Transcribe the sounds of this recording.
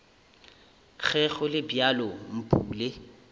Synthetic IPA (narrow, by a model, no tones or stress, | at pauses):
k͡xʰɛɣʊlɪbjalɔm̩pʼuːle